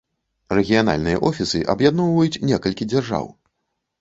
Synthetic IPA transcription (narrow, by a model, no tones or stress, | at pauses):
rɛɣʲijana̰lʲnɨjɐʔɔfʲisɨʔa̰bjad̪nɔwvɐjut͡sʲnʲɛkɐlʲkʲid͡zʲarʐa̰w